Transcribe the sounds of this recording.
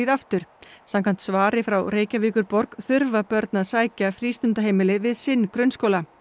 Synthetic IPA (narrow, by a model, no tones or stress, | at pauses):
iðaft̪ʏɾ̥samkʰan̥t̪svaːɾɪfɾawreːjcaviːkʏɾpɔɾkθʏɾvapœɾt̪naðsaːjcafɾiːst̪ʏnt̪aɦeːjmɪlɪvɪðsɪnːkɾœɥnskowla